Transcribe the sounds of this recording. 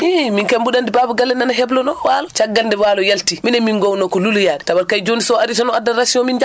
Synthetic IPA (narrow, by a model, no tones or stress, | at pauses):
iminkambuɗandibabuɡalːɛnanaɦɛblɔnɔwalɔt͡ʃaɡːalndɛwalɔjaltiminɛminɡɔwnɔkɔluljaɗɛtawalkajd͡ʒonisɔaɾisɔnɔadːaɾasiɔmind͡ʒa